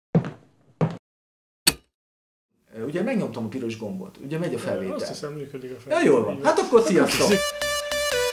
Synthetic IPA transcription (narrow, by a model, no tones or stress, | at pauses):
uɟɛmɛɡɲo̞mt̪ɒmɒpiɾo̞ʒɡo̞mbo̰t̪ṵɟɛmɛɟɒfɛlveːɛ̰lisɛmmyːkød̪ikjɒjoːlv̰nhat̪ɒkːo̞rsijɒst̪o